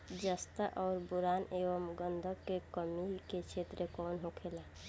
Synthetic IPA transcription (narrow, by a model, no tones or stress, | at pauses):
d͡ʒəst̪əʔɔːɾbʊɾaːneːʋəmɡənd̪ʱəkːekəmiket͡ʃʰet̪ɾekɔːnɦokʰela